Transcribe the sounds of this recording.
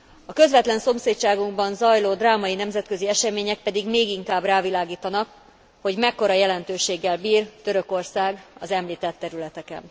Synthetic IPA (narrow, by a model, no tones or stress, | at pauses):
ɒkø̞zʋɛt̪lɛnso̞mseːtt͡ʃaːɡuŋɡbɒnzɒjloːd̪raːmɒjinɛmzɛt̪kø̞ziɛʃɛmeːɲɛk̚pɛd̪iɡmeːɡiŋkaːbraːvilaːɡiːt̪ɒnɒk | ho̞ɟmɛkːo̞ɾɒjɛlɛnt̪øːʃeːɡːɛlbiːrt̪ø̞ɾø̞ko̞rsaːɡɒ̰zɛmliːt̪ɛt̪ːɛɾylɛt̪ɛkɛ̰n